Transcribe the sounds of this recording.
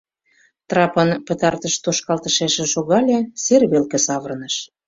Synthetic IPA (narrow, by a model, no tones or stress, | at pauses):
t̪rɑpənpə̆t̪ɑrt̪əʃt̪oʃkɑlt̪ə̆ʃeʃĕʃoɣɑlʲeserβelkĕsɑβərnəʃ